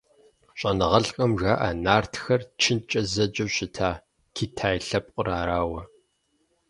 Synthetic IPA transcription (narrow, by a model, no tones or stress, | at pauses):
ɕʼɐnɨʁɐɬkʼɐmʒaːʔanaːrtʰxɐrt͡ʃʰɪnt͡ʃʼɐzɐd͡ʒʼɐɕɪtʰaː | kʰiːtʰaːjɬɐp̚ʼqʼʊɾaːɾaːwɐ